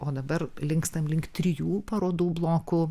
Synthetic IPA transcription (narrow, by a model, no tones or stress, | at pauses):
oːd̪ɐbɐrlʲɪŋkst̪ɐmlʲɪŋkt̪ʲt̪ʲɾʲɪjuːpɐɾoːd̪uːblˠoːkʊ